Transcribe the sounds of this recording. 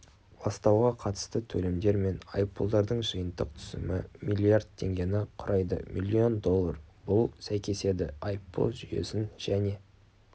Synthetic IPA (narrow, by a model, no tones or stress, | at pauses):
bɑst̪ɑwʁɑqʰɑt̪ə̥st̪ət̪ʰɵlemd̪e̞ɾme̞nɑ̰jpːolˠd̪ɑɾd̪əɴʒəjənt̪əqt̪ʰʏ̥z̥ɪ̰mɪmilʲːijaɾrd̪̚t̪ʰːe̞̰ŋɡʲe̞nɪqʰʊɾʔɑjd̪ə̰mʔilʲːio̞nd̪o̞lˠːɑrb̥ʊlˠsæjkʲe̞se̞d̪ɪ̰ɑjpːo̰lˠʒʏje̞̰sɪnʒ̥æne̞